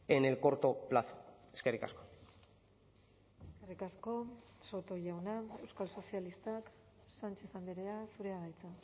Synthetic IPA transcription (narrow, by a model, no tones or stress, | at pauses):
enelko̞ɾt̪o̞plaθo̥eskerika̰sko̞ | eskerikasko̞so̞t̪o̞ʝawnae̞wskalso̞sialist̪ak | sant͡ʃe̞θand̪eɾeasuɾe̞aðajt͡sa